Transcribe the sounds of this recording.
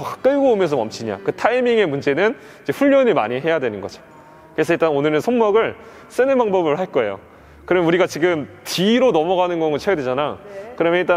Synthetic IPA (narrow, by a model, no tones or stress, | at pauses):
ʌ̥k͈ɯɭɡoːmjʌnsʰʌmʌmt͡ɕʰiɲa̰kɯtʰaimiŋe̞mund͡ʑe̞nɯn | id͡ʑe̞ɸuʎːʌniɭma̰ɲiɦe̞jadwe̞nɯnɡʌd͡ʑo̥ | kɯɾes̬ʰʌiɭt͈anonɯɾɯnsʰʌŋmʌɡɯɭ | s͈ɯnɯnbaŋbʌbɯɭhaɭk͈ʌe̞jo̰ | kɯɾʌmuɾiɡat͡ɕiɡɯmtiɾonʌmʌɣanɯnɡʌŋɡɯt͡ɕʰejʌdwed͡ʑanakɯɾʌmeiɭt͈a